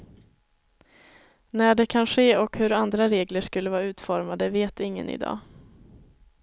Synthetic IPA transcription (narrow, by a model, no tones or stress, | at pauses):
næɖɛkʰanɧeːɔkhɵɾand̪ɾaɾeːɡləʂkɵlːəvɑːaʉ̟ːt̪fɔɾmad̪əveːt̪ɪŋːə̰nɪ̰d̪ɑ̰ː